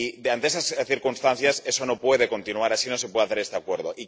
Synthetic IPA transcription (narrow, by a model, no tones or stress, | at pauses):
id̪eanesasθiɾkunst̪an̟θjasesonopwe̞ð̞eko̞nt̪inuaɾasinos̬epweaθeɾest̪ekweɾðoʔi